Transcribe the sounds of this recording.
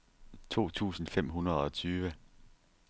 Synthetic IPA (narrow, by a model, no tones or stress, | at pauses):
t͡sʰo̝̰ːt͡sʰṵːsn̩fem̰ɦunɐð̞ˠɒ̽t͡sʰyːʋə